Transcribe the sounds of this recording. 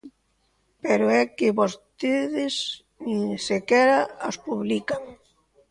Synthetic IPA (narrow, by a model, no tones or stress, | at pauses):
peɾʊɛkɪβost̪eðɪs | niŋsekɛɾaaspuβlikaŋ